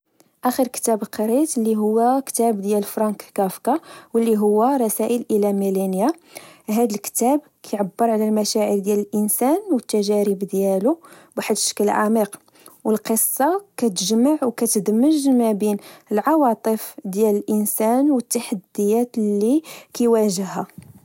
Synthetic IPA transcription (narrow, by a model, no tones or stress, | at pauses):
ʔæxəɾkt̪æblqɑɾit̪lːiɦʊwːækt̪æbd̪jælfɾˤɑnkkæfkawəlːiɦʊwːæɾˤɑsæʔəlʔəlæmilænjaɦæd̪əlkt̪æb | kʰæjʕabːəɾˤʕalælmæʃæʕəɾd̪jæləlʔənsænwət̪ːæʒæɾəbd̪jælu | baħət̪ʃə̥kːəlʕa̰miq | wəlqəsˤːɑkæt̪əʒmaʕwkæt̪əd̪məʒmæbinəlʕɑwɑt̪ˤəfd̪jæləlʔənsænwət̪ːaħad̪ːəjæt̪lːikæjwæʒəhæ